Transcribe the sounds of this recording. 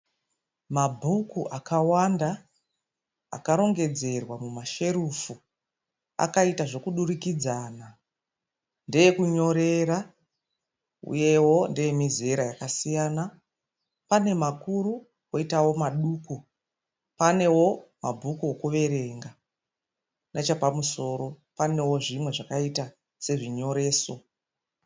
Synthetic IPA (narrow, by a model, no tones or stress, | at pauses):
mabʱukuʔakawanda | a̰kaɾo̞ŋɡe̞d͡ze̞rwamumaʃe̞ɾufu | a̰kaitaʐo̞kuɗuɾikid͡zaːna | ndeje̞kuɲo̞ɾe̞ɾa | ṵje̞wo̞nde̞jemize̞ɾajakasijaːna | pane̞makuɾu | ko̞itawo̞maɗuːku | pane̞wo̞mabʱukuokuʋe̞ɾe̞ŋɡa | nʔat͡ʃapamuso̞ɾo̞pane̞wo̞ʐimwe̞ʐakaita | se̞ʐiɲo̞ɾe̞ːso̞